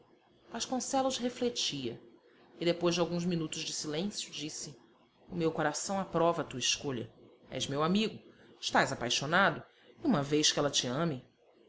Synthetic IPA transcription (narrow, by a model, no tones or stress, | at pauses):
aʃkõsɛluʃheflet͡ʃiɐ | ɪd̪epojzd͡ʒawɡũzminut̪ʊzd͡ʒɪsilẽsjʊd͡ʒisɪ | ʊmewkoɾasɐ̃w̃apɾɔvɐt̪uɐiʃkoʎɐ̰ | ɛ̰zmewamiɡʊɪʃt̪ajzapajʃonad̪ʊ | iũmɐvejʃkɪɛlɐt͡ʃɪɐ̃mɪ